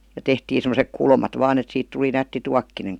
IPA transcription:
jɑ tehtiː semosek kulmɑt ʋɑːn et siːt tuli nætːi tuɑkːineŋ

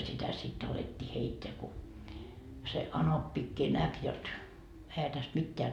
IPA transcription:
sitæ sit ɑletːiː heitːeæ ku se ɑnopːikːiː næk jot ehæ tæst mitːeæ

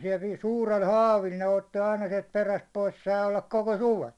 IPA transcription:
si̥e̥lt ni̥ː suːrel hɑːʋil ne otːi ɑinɑ siɛlt peræst pois sɑˑi olːɑk koko suʋen

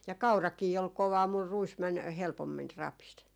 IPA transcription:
jɑ kɑurɑkiː ol koʋɑː mur ruis mæn helpomːin rɑpis

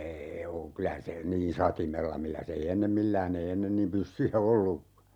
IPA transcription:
eː oː kylæ se niːn sɑtimelːɑ milːæs ei enːem milːæːn ei enːen niːm pysːyjæ olːukːɑ

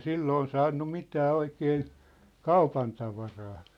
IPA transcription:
silːoːn sɑːnːu mitæː oikeːn̞ kɑupɑntɑʋɑrɑː

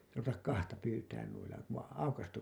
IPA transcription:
ruʋetɑk kɑhtɑ pyːtæːn nuilːɑ ku ʋɑĩː ɑukɑstu

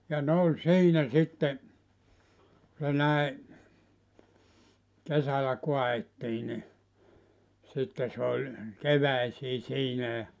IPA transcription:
jɑ ne olʲ siːnæ sitːe ku se næi kesælæ koɑetːiː ni sitːe sĕ olʲ keʋæisiː siːnæ jɑ

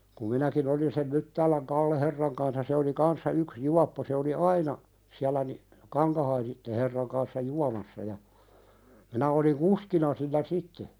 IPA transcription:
kum minækin olin sem mytːæːlæŋ kɑlːeherːɑŋ kɑnsɑ se oli kɑnsːɑ yks juɑpːo se oli ɑinɑ siælæ ni kɑŋkɑhɑisitːe herːɑŋ kɑnsːɑ juɑmɑsːɑ jɑ minæ oliŋ kuskinɑ silːæ sitːe

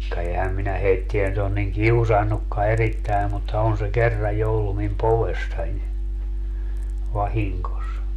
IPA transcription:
kɑ ehæm minæ heitːiæ nyt on niŋ kiusɑnːukːɑ eritːæi̯ mutːɑ on se kerːɑj jo olːu mim poʋesːɑnʲ ʋɑhiŋkos

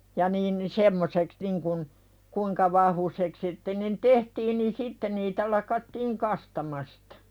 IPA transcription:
jɑ niːn ni semːoseks niŋkun kuiŋkɑ ʋɑhʋusek sitːe nin tehtiːn nin sitːe niːtæ lɑkɑtːiːŋ kɑstɑmɑstɑ̥

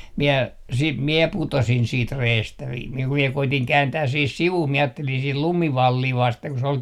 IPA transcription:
miɛ siːt mie putosin siːt reːstæ ʋi ku mie koitiŋ kæːntæːs sih siʋuh mie ɑːtːelin sih lumiʋɑlːiː ʋɑsteŋ ku se ol

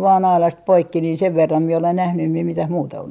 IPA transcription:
ʋɑːn ɑilɑst poikːi niːn seʋ ʋerːɑm mie olen næhny em mie mitæh muːtɑ on

